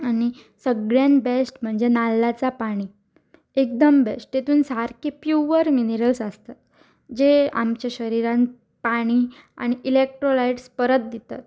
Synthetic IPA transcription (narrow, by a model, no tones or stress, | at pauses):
añi | səɡɭjanbesʈm̤əɳd͡zenalːat͡sapaɽ̃i | ek̚d̪əmbesʈ̚t̪et̪uːnsaɾkipjuʋəɾmineɾəlsəst̪at̪̚ | d͡ʑea̰mt͡ɕaɕəɾiɾãn | paɽ̃i | a̰ɽ̃iʔilek̚ʈɾolaiʈspəɾət̪̚d̪it̪a̰t̪̚